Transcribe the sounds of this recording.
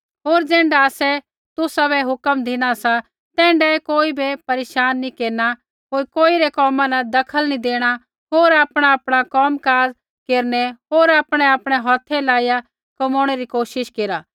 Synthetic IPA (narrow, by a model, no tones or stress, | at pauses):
ɦoːɾd͡zɛ̃ːɳɖaːsɛ | t̪ʊsabɛɦʊkəmd̪ʱɪɽ̃asa | t̪ɛ̃ːɳɖɛkoːibepɐɾeːʃaːnːikeːɾna | ɦoːɾkoːiɾɛkɔːmãnɐd̪ɐkʰəlnid̪eːɽ̃a | ɦoːɾaːpɽ̃aːpɽ̃akɔːmkaːz | keːɾnɛɦoːɾaːpɽ̃ɛaːpɽ̃ɛɦɔːt̪ʰːɛlaːija | kɐmoːɽ̃ɛɾikoːʃɪʃkeːɾaː